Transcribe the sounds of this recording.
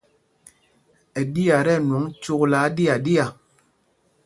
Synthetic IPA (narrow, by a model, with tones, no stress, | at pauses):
ɛ˨di˦a˨ɾɛ˦˨nwɔ˨˦ŋ˦t͡ʃu˦kla˨˦di˦a˨di˦a˨